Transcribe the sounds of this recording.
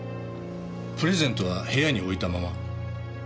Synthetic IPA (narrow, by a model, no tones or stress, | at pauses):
pɯ̟ɾe̞zẽ̞nt̪oβahe̞jaɲ̟io̞it̪amama